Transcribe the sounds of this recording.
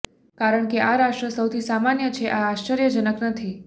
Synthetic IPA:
kaɾəɳkeʔaɾaʃʈɾəsəwt̪ʰisamanjət͡ʃʰeʔaːʃt͡ʃəɾjəd͡ʒənəknət̪ʰi

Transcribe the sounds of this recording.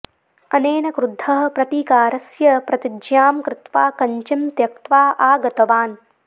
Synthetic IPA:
ɐneːnɐkɾud̪ʱːɐɦɐ̆pɾɐt̪iːkaːɾɐsjɐpɾɐt̪id͡ʒjaːmkɾɪt̪ʋaːkɐɲt͡ʃimt̪jɐk̚t̪ʋaːʔaːɡɐt̪ɐʋaːn

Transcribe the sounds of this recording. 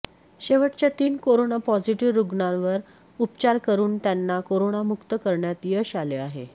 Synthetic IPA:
ɕeʋəʈt͡ɕjat̪iːnkoɾonapɔd͡ziʈiʋɾuɡɳãʋəɾ | upt͡ɕaɾkəɾuːnt̪janːakoɾoɳamukt̪əkəɾɳjat̪jəɕaleaɦḛ

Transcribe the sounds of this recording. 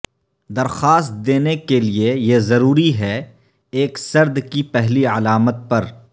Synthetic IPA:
d̪ɐɾxaːst̪̚d̪eːnekeliejezɐɾuːɾiɦɛ | eːksɐɾd̪kipɛɦliɐlaːmət̪̚pɐɾ

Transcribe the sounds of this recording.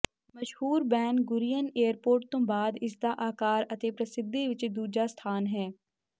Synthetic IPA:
məʃhuːɾbɛ̃ːnɡʊɾijəneːəɾpoːɾʈ̚t̪õːbaːd̪ɪsd̪aːʔaːkaːɾət̪epɾɐsɪd̪ːeʋɪt͡ʃd̪uːd͡ʒaːst̪ʰaːnɦɛː

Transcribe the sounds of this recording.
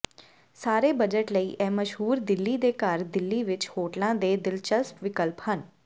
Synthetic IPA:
saːɾeːbəd͡ʒəʈləiːʔɛːməʃɦuːɾd̪ɪlːiːd̪eːkaɾd̪ɪlːiːʋɪt͡ʃhoːʈlãːd̪eːd̪ɪlt͡ʃəsʈʋɪkəlphən

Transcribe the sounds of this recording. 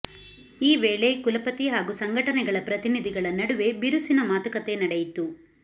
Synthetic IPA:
iːʋeːɭekulɐpɐt̪iɦaːɡusɐŋɡʱɐʈɐnɛɡɐɭɐpɾɐt̪inid̪ʱiɡɐɭɐnɐɽuʋe̞biɾusinɐmaːt̪ɐkɐt̪e̞nɐɽejit̪u

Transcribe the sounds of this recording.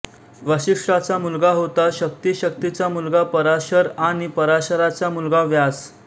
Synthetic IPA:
ʋəɕikʂʈat͡samulɡaɦot̪aɕək̚t̪iɕək̚t̪it͡samulɡapəɾaɕəɾaɽ̃ipəɾaɕəɾat͡samulɡaʋjas

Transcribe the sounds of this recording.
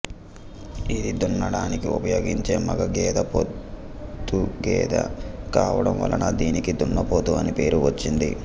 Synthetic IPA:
id̪id̪unːɐɽaːnikiupɐjo̞ːɡiɲt͡ʃe̞ːmɐɡɐɡɛːd̪ɐpot̪ː | uɡɛːd̪ɐ̰kaːʋɐɽɐmʋɐ̰lɐnɐd̪iːnikid̪unːɐpoːt̪uːɐnipe̞ːɾuʋɐt͡ʃːind̪i

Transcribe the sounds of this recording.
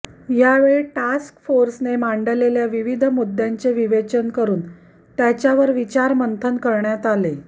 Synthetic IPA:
jaʋeɭeʈaskfoɾsnemaɳɖəleljaʋiʋid̪ʱəmud̪ːjaɲt͡seʋiʋet͡ɕənkəɾuːn | t̪jat͡ɕjaʋəɾʋit͡ɕaɾmənt̪ʰənkəɾɳjat̪ale

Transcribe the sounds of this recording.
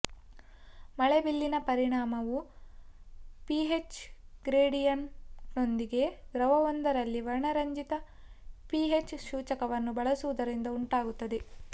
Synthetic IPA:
mɐɭebilːinɐpɐɾiɳaːmɐʋu | piɦet͡ʃɡɾeːɽijɐnno̞nd̪iɡe̞ɡɾɐʋɐʋond̪ɐɾɐlːiʋɐɾɳɐɾɐɲd͡ʒit̪ɐ | piɦet͡ʃʃuːt͡ʃɐkɐʋɐnːubɐɭɐsuʋud̪ɐɾind̪ɐuɳʈaːɡut̪ːɐd̪e̞

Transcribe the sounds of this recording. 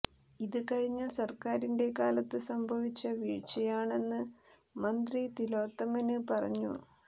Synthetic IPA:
iðɨkɐɻiɲːɐsɐrkaːɾinde̞kaːlɐt̪ːɨsɐmbʱɐʋit͡ɕːɐʋiːɻt͡ɕːɐjaːɳe̞nːɨ | mɐnd̪rit̪iloːt̪ːɐmɐnɨpɐrɐ̰ɲːṵ

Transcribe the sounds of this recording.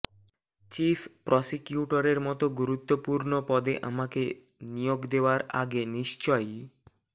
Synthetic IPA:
t͡ɕipʰpɾɔsikjuʈoɾeɾmɔt̪oɡuɾut̪ːopuɾnopɔd̪eʔa̰make | nijoɡd̪eoaɾʔa̰ɡeniʃt͡ɕɔj

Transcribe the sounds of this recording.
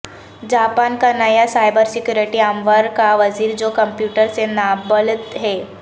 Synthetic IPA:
d͡ʒaːpaːnkanɐjasaːɪbəɾsɪkjuːɾɪʈiaːmʋəɾkaʋɐziːɾd͡ʒoːkɐ̃mpjuːʈəɾsenaːbəlt̪ɦɛː

